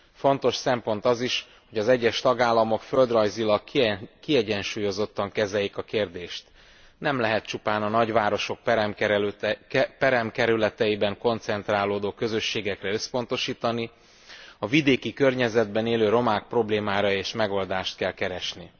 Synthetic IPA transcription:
fo̞nt̪o̞ʃsɛmpo̞nt̪ɒziʃ | ho̞ɟɒzɛɟːɛʃt̪ɒɡaːlːɒmo̞kføld̪rɒjzilɒɡkiɛɟɛnʃuːjo̞zo̞t̪ːɒŋkɛzɛlikɒkeːrd̪eːʃt̪ | nɛmlɛɦɛt̪̚t͡ʃupaːnɒnɒɟʋaːɾo̞ʃo̞k̚pɛm | pɛɾɛmkɛɾylɛt̪ɛjibɛŋko̞nt̪sɛnt̪raːloːd̪oːkø̞zø̞ʃːeːɡɛkrɛø̞spo̞nt̪o̞ʃiːt̪ɒni | ɒvid̪eːkikø̞rɲɛzɛd̪bɛneːløːɾo̞maːk̚pro̞bleːmaːɾɒeːʃmɛɡo̞ld̪aːʃt̪̚kɛlkɛɾɛʃni

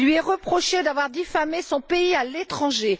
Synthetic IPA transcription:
lɥiɛʁəpχɔʃed̪avwaʁd̪ifamesɔ̃peialet̪χɑ̃ʒe

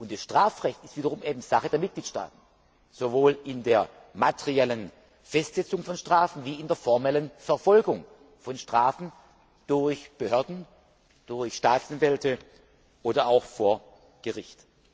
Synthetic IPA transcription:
ʔʊnt̚d̥asʃtʁ̥aːfʁɛçtɪstv̥iːdɐʁʊmʔeːbm̩z̥aχədeːɐmɪt̚ɡ̥liːtʃta̰ːtn̩ | z̥ovoːlɪndeːɐ | matʰɛʁiɛlən | fɛstz̥ɛt͡sʊŋfɔnʃtʁ̥aːfn̩viːɪndeːɐfɔɐmɛlənfɛɐfɔlɡʊŋ | fɔnʃtʁ̥aːfn̩ | d̥ʊɐçb̥əhøɐdn̩ | d̥ʊɐçʃtaːtt͡sʔanvɛltə | ʔoːdɐaʊxfoːɐ | ɡ̥əʁɪçt

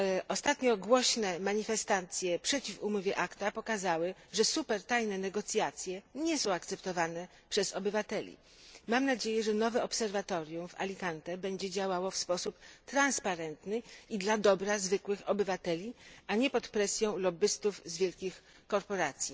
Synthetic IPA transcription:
ʔɔst̪at̪ɲɔɡwɔɕnɛmaɲifɛst̪at̪sʲjɛpʂɛt͡ɕifumɔvʲjɛʔakt̪apɔkazawɘʐɛsupɛɾt̪ajnɛnɛɡɔt̪sʲjat̪sʲjɛɲɛsɔ̃w̃akt̪sɛpt̪ɔvanɛ | pʂɛzɔbɘvat̪ɛlʲḭ | mamnad͡ʑejɛʐɛnɔvɛɔpsɛɾvat̪ɔɾʲjumva̰lʲikant̪ɛbɛɲd͡ʑɛd͡ʑawawɔfspɔsupt̪ɾanspaɾɛnt̪nɘid̪lad̪ɔbɾazvɘkwɘxɔbɘvat̪ɛlʲiaɲɛpɔt̪pɾɛsʲjɔ̃w̃lɔbɘst̪uvzvʲjɛlkʲix | kɔɾpɔɾat̪sʲji

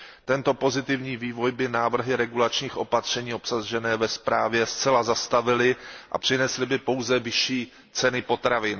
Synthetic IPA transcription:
t̪ɛnt̪o̞po̞zɪt̪ɪvɲiːviːvo̞jbɪnaːvr̩ɦɪɾɛɡulat͡ʃɲiːxʔo̞pat̪r̝̥ɛɲiːo̞psaʒɛnɛːvɛspɾaːvjɛst͡sɛlazast̪avɪlɪʔa̰pr̝̥ɪnɛslɪbɪpo̞wzɛvɪʃiː | t͡sɛnɪpo̞t̪ɾavɪn

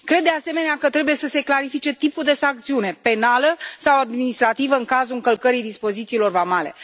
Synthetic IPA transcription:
kɾed̪ːease̞me̞neakət̪ɾe̞buje̞səse̞klaɾifit͡ʃe̞t̪ipuld̪e̞saŋkt̪siune̞pe̞naləsawad̪minist̪ɾat̪ivəɨŋkazulɨŋkəlkəɾijd̪ispo̞zit̪siːlo̞rvamale̞̰

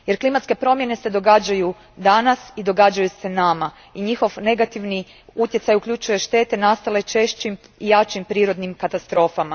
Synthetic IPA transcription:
je̞ɾklimat̪ske̞pɾo̞mje̞ne̞se̞d̪o̞ɡaːd͡ʑaju | d̪anasid̪o̞ɡaːd͡ʒajuse̞nama | iɲixo̞ʋne̞ɡat̪iʋni | ut̪jesajukʎʲut͡ʃuje̞ʃt̪e̞ːt̪enast̪ale̞t͡ʃe̞ʃt͡ʃimijat͡ʃimpɾiːɾo̞d̪nimkat̪ast̪ɾo̞ːfama

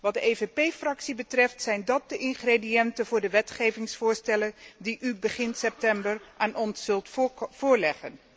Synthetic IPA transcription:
ʋɑt̚dəejvepejfrɑksibətrɛftsɛjndɑt̚dəʔɪŋχredijɛntənvʊːɹdəʋɛtχejvɪŋsfʊːɹstɛləndiʔybəχɪnsɛp̚tɛmbərʔaːnʔɔnsɵlˠtfʊːɹlɛχə̰n

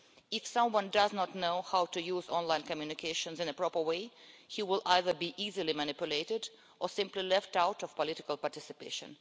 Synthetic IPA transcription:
ɪfsʌ̃mwʌ̃ndʌznətnoʊhawtujuːzɔ̃nlãɪ̃nkɔmjunɪkʰeɪʃə̃nzɪ̃nəpɹ̥ɔpə˞weɪhiwɪlʔaɪðə˞biʔizilimanɪpjʊleɪɾɪd | ʔəsɪ̃mplilɛftaʊtɔv̥pɔlɪɾɪkəlˠpaɹtɪsɨpḛɪʃə̰̃n

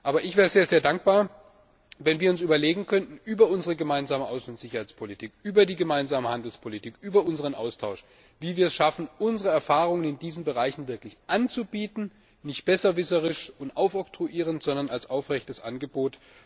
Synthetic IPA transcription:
ʔaːbɐʔɪçv̥ɛːʁəzeːɐzeːɐdaŋk̚b̥aːɐ | vɛnviːɐʊnsʔyːbɐleːɡŋ̩kʰœntn̩ʔyːbɐʊnzəʁəɡəmaɪnzaːməʔaʊsnʊntz̥ɪçɐhaɪt͡spʰolitʰiːkʔyːbɐdiːɡəmaɪnzaːməhandl̩spʰolitʰiːkʔyːbɐʊnzəʁ̞ənʔa̰ʊstʰaʊʃ | viːviːɐɛsʃafn̩ʔʊnzəʁəɛɐfaːʁ̞ʊŋənɪndiːzn̩bəʁaɪçn̩vɪɐklɪçʔant͡subiːtn̩ | nɪçtb̥ɛsɐvɪsəʁɪʃʊntʔaʊfʔɔktʁ̥uʔiːʁ̞əntz̥ɔndɐnalsʔaʊfʁɛçtəsʔa̰nɡəboːt

